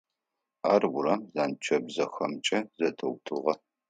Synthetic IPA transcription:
aːrwʊrɐmzaːnt͡ʃʰɐbzɐxɐmt͡ʃʼɐzɐtʰɐwtʰɨʁɐ

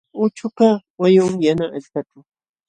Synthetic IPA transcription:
ʊt͡ʃʊkawajʊŋjanaʔaʎkaʈ͡ʂʊ

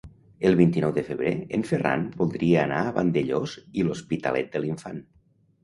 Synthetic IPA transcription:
əlˠβint̪inɔwðəfəβɾeeɱfera̰nbolˠd̪ɾieːnaːβa̰nd̪eʎoziluspit̪a̰lʔɛt̪̚d̪əliɱfan

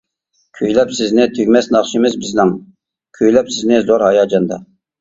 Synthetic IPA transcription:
kʲʰøjlɛpsɪznɪt̪ʰøɡʲmɛsnɑχʃimɪzbɪznɪŋ | kʲʰøjlɛpsɪznɪzoɾhɑjɑːd͡ʒɑnd̪ɑ̰

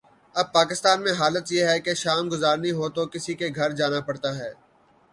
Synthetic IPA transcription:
ɐb̚paːkɪst̪aːnmẽɦaːlət̪jeɦɛkeʃaːmɡʊzaːɾnəɦĩɦoːt̪okɪsikeɡʱɐɾd͡ʒaːnapɐɽt̪aɦɛː

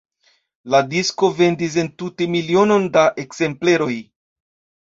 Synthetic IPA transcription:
ladisko̞ve̞ndis̬e̞ntute̞milio̞no̞ndaʔe̞kze̞mple̞ɾo̞j

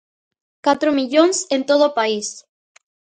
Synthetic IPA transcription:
kat̪ɾomiʎoŋsẽnt̪oðopais

